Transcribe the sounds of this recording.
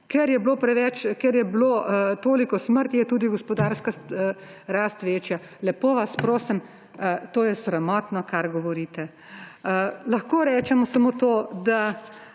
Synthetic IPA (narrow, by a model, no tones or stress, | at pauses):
kɛɾjɛbloːpɾɛʋɛt͡ʃkɛɾjɛbloːt̪oːlikɔsməɾt̪jɛt̪uːd̪iɡɔspɔd̪aːɾska | ɾaːst̪ʋeːt͡ʃja | lɛpoːʋaspɾoːsɛm | t̪oːjɛsɾamɔːt̪nɔkaɾɡɔʋɔɾiːt̪ɛ | lɐxkoːɾɛːt͡ʃɛmɔsɐmoːt̪oːd̪a